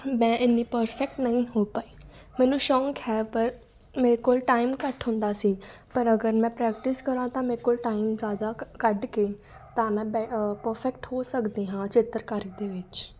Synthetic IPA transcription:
mɛ̃ːʔɪnːiːpəɾpʰɛk̚ʈnəɦĩːɦoːpaːiː | mɛ̃ːnũːʃɔ̃ːŋkhɛːpəɾ | meːɾeːkoːlʈaːɪmkəʈɦʊ̃nd̪aːsiːpəɾəɡəɾmɛ̃ːpɾɛːk̚ʈɪskəɾãːt̪ãːmeːɾekoːlʈaːimzjaːd̪aːkəɖkeː | t̪ãːmɛ̃ːbɛpəɾpʰɛk̚ʈhoːsəkd̪iːɦãːt͡ʃɪt̪əɾkaːɾid̪eːʋɪt͡ʃ

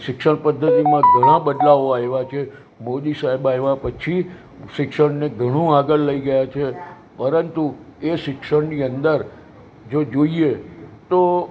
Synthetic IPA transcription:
ʃɪkʃəɳpəd̪ʱːət̪imãɡʱəɽ̃ãbəd̪laoaeʋat͡ʃʰe | mod̪isaɦebaeʋapət͡ʃʰi | ʃɪkʃəɽneɡʱəɽ̃ũaɡəlləiɡəjat͡ʃʰe | pəɾənt̪ueʃɪkʃəɽniənd̪əɾ | d͡ʒod͡ʒoiet̪o

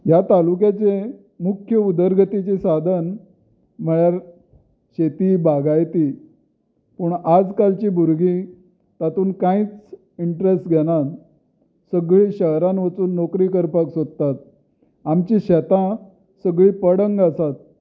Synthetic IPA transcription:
jat̪alukjat͡ɕe | mukʰːjəud̪əɾɡʱət̪it͡ɕisad̪ʱən | m̤əɭjaɾ | ɕet̪iːbaɡʱajt̪i | pəɳad͡zkalt͡ɕiːbuɾɡi | t̪at̪uːnkãit͡s | iɳʈɾesʈɡʱeɽ̃at̪ | səɡɭiːɕəɦɾanʋət͡suːnːokɾiːkəɾpaksod̪̚t̪at̪̚ | amt͡ɕiɕɛt̪ã | səɡɭiːpəɽəŋɡasat̪̚

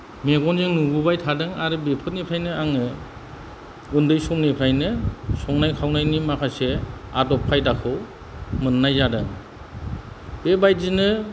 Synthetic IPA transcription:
meɡɔnzeŋnuɡubajtʰadɯŋaɾɯbepʰɯt̚nipʰɾajnɯaŋɯ | undɯjsɔŋnipʰɾajnɯsɔŋnajkʰawnajnimakʰaseadɔpʰːajdakʰɯw | mɯnːajzadɯŋ | bebaj̚zinɯ

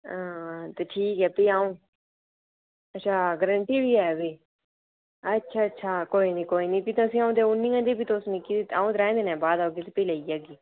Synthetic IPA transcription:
aːt̪eːʈʰiːkɛːpəiːaːũː | əʃʰaːɡəɾəɳʈiːbiːɛːʋeː | ətːʃʰaːətːʃʰaːkoːiːnĩːkoːiːniːpiːt̪ːəsĩːãːũːd̪eːʊnːĩːãːd̪eːpiːt̪oːsnĩkiːt̪aːũːd̪əɾɛ̃ːnd̪eːnɛ̃ːbaːd̪aoɡeːt̪epəiːlaiːaːɡiː

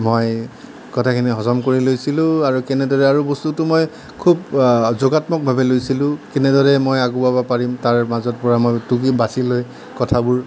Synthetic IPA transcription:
moj | kɔtʰakʰiniɦɔzɔmkoɹilojsilʊ̃aɹukɛnɛdɔɹɛaɹubɔstutʊmoj | kʰub̚zoɡatmɔk̚bʱabɛlojsilʊ̃kɛnɛdɔɹɛmojaɡubabapaɹimtaɹmazɔt̚pɔɹamojtuɡibasiloj | kɔtʰabʊɹ

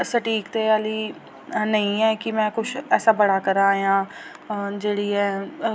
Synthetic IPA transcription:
səʈiːkt̪eːaːliː | nəĩːɛːkɪmɛ̃ːkʊt͡ʃʰɛːsaːbəɽaːkəɾaːjãː | d͡ʒeːɽiːɛː

